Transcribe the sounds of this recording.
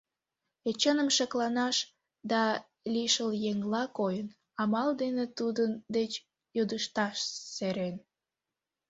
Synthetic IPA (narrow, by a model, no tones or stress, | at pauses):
et͡ɕənəmʃəklɑnɑʃ | d̪ɑ | liʃəljeŋlɑkojən | ɑmɑld̪enet̪ud̪ənd̪et͡ɕ | jod̪əʃt̪ɑʃseɾen